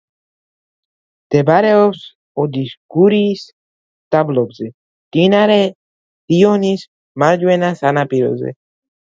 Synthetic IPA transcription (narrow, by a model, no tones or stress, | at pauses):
t̪ebaɾeos | od̪iskuɾis | t̪ablobzɛ | t̪inaɾe | t̪ijonis | maɾd͡ʒuenasanapiɾo̰zɛ̰